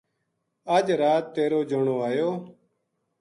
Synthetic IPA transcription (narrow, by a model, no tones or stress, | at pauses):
əd͡ʒɾaːt̪ːeːɾoːd͡ʒəɳoːaːjoː